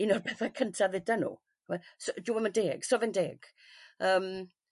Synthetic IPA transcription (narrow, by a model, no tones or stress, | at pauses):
inɔrbʰɛθakʰəntʰaðɪdanṵː | wɛsoduɛməndeːɡ̥sɔvɪndeːɡ̥ | əːm